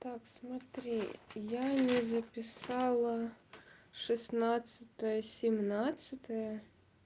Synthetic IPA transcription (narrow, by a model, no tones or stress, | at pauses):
t̪ɑksmɐt̪ɾʲijanʲizɐpʲɪsɑlˠɐ | ʂɨsnat̪sʲɨt̪ɐjɐsʲɪmnat̪sʲɨt̪ɐjɐ